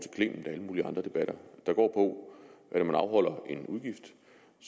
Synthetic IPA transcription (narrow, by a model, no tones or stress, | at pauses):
t͡sʰe̝kʰle̝̰ːmn̩d̥ææləmuːliɑ̈nd̥ʁɐd̥e̝b̥æɾ̥ɐd̥ɑ̈ɡ̥ɒ̰ːpʰɒ̽ʔædæmænɑ̈ʊɦɒ̽l̰ɐʔe̝nuðˠɡ̥ifd̥ | s